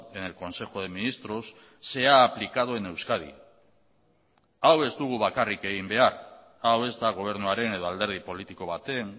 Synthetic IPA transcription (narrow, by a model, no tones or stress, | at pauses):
ene̞lko̞nse̞xo̞ð̞e̞minist̪ɾo̞sː | e̞aːplikaðoe̞ne̞wskað̞ḭ | awe̞zd̪uɣ̞uβakarike̞ɣimbe̞ar | awe̞zd̪aɣ̞o̞β̞e̞ɾnuaɾe̞ne̞ð̞o̞ald̪e̞ɾð̞ipo̞lit̪iko̞β̞at̪e̞n